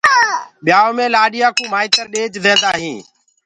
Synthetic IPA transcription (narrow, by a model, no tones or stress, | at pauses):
ɓjaːoːmẽːlaːɗɪjãːkũːmaːiːt̪əɾɗeːd͡ʒd̪ʱẽːnd̪aːɦĩː